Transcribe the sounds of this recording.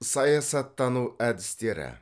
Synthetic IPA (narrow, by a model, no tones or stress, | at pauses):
sɑjɑsɑt̪ːɑnuæd̪ɪst̪e̞ɾɪ̰